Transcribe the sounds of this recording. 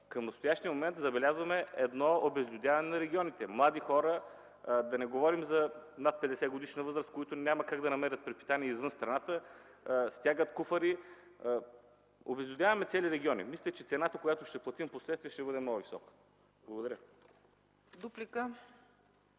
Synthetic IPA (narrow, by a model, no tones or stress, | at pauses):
kəmnɐst̪ojaʃt̪iəmomɛnt̪zɐbɛlʲazvɐmɛɛd̪nɔobɛzlʲʊd̪ʲjavɐnɛnɐɾɛɡʲiɔnit̪ɛmlˠad̪ixɔɾə | d̪ɐnɛɡovɔɾimzɐnat̪̚pɛd̪ɛsɛɡod̪iʃnəvɤzɾəst̪̚koit̪ʊnʲaməkaɡd̪ɐnɐmɛɾʲət̪̚pɾɛt̪pi̥t̪aniɛizvɤnst̪ɾɐnat̪ə | st̪ʲaɡət̪kufəɾi | obɛzlʲɪd̪ʲavɐmɛt̪sɛliɾɛɡʲiɔnḭmisʲlʲət͡ʃɛt̪sɛnat̪əkojat̪oʃt̪ɛplˠɐt̪imposlɛt̪t̪viɛʃt̪ɛbɤd̪ɛmnɔɡʊvisɔ̰kə̥ | blˠɐɡod̪ɐɾʲə | d̪uplikə